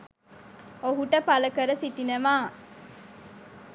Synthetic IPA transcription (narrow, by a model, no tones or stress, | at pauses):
oɦuʈəpɐləkəɾəsiʈinɐʋaː